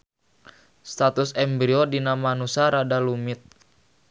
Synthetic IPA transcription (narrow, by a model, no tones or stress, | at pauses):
st̪at̪usɛmbɾiodinamanusaɾadalumɪt̪̚